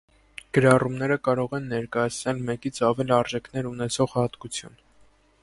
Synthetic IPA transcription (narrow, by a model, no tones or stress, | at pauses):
ɡ̥əɾɑrumnɛɾəkɑɾɔʁɛnːɛɾkɑjɑt͡sʰnɛlmɛkit͡sʰɑvɛliɑɾʒɛkʰnɛɾunɛt͡sʰɔʁhɑt̪kut͡sʰjṵn